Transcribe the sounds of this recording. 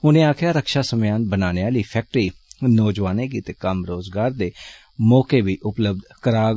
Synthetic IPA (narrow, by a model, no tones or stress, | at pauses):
ʊnẽːaːkʰjaːɾəkʃaːsəmjaːnbənaːneaːliːpʰɛːk̚ʈɾiːnɔːd͡ʒʋaːneːk̬iːt̪eːkəmɾoːzɡaːɾd̪eː | mɔːkeːʋiːʔʊpləb̚d̪kəɾaː